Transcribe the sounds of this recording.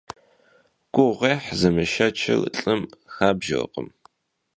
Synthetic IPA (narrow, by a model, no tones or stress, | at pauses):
kʷʼʊʁeːħzɐmɨʃɐt͡ʃʰɐ̰lɬʼɨmxaːbʒɪl̰qə̰m